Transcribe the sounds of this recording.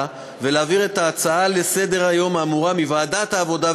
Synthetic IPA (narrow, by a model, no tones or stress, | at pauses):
veleaːviʁe̞taːt͡saale̞se̞d̪e̞ʁajo̞maːmuʁamivaːdat̪haːvo̞da